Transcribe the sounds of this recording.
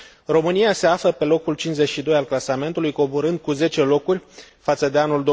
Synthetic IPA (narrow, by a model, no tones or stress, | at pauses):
ro̞mɨnijase̞afləpe̞lo̞kult͡ʃinzːe̞t͡ʃʃid̪o̞jalklasame̞nt̪ulujko̞boɾɨnd̪̚kuze̞t͡ʃe̞lo̞kurʲfat̪səd̪e̞anuld̪o